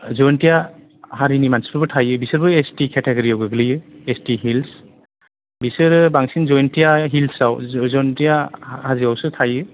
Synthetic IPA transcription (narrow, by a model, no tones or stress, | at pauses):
zɔjntija | haɾinimanspbɯtʰajɯbisɯɾbɯestikʰeteɡɔɾiawɡɯɡɯlijɯestiɦils | bisɯɾɯbaŋsinzɔjntijaɦilsawzɔjntijahaziawsɯtʰajɯ